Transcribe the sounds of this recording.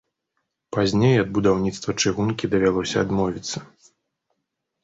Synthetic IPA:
pazʲnʲejɐd̪̚bud̪awnʲit̪st̪vɐt͡ʂɨɣunkʲid̪ɐvʲalˠɔsʲɐad̪mɔvʲit̪sːɐ

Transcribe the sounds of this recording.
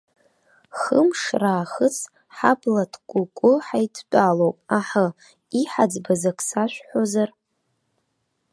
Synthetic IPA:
χəmʂraːχət͡sʰ | ħablatʰkʷʼʊkʷʼʊħajtʰt͡pʷʼalowpʼaħa | iħad͡zbazakʰsaʃʷᶣħozar

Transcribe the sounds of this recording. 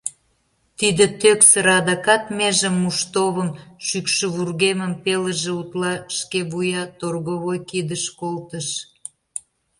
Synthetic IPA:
t̪id̪et̪øksəɾɑd̪ɑkɑt̪meʒəmːuʃt̪oβəmʃykʃə̆βurɣeməmpelə̆ʒĕut̪lɑʃkeβujɑt̪orɣoβojkid̪əʃkolt̪əʃ

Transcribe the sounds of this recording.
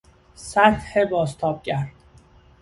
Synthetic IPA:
sæt̪hebɒːst̪ʰɒːb̥̚cæɾd̪̥

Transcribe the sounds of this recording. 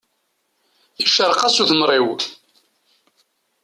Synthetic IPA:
əʃəɾqɑsuθəmrˤiw

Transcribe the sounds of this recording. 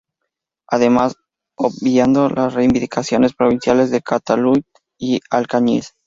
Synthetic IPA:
aðe̞mas | objand̪o̞lasreimbind̪ikʰasjo̞ne̞spɾo̞βinsjalezðe̞kat̪alu | ialkaɲis

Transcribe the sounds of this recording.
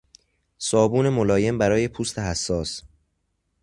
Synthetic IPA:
sɒːbuːne̞mo̞lɒːje̞mbæɾɒːje̞pʰuːst̪ʰe̞ɦæsːɒːs

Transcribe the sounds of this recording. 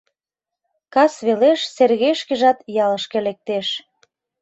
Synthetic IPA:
kɑsβeleʃserɣeʃkĕʒɑt̪jɑlə̆ʃkĕlek̚t̪eʃ

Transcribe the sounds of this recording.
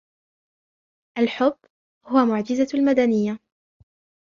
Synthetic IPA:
ʔalħʊbː | hʊwamʊʕd͡ʒɪzalmad̪anɪjːa

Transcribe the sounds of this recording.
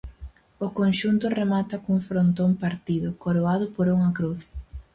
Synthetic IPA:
ʊkonʃunt̪ʊremat̪akuŋfɾont̪ompaɾt̪iðʊkoɾoað̞ʊpoɾuŋakɾuθ

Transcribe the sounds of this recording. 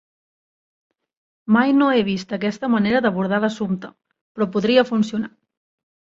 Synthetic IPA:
majnoeβ̞ist̪əkɛst̪əməneɾəðəβ̞uɾð̞aləsumt̪ə | pɾɔpuðɾiəfunsiuna

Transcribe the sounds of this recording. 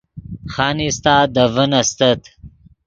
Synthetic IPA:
xaːnist̪aːd̪əvənɐst̪ət̪

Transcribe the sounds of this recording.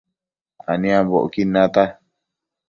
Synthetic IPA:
anĩãβoʔkinãt̪a

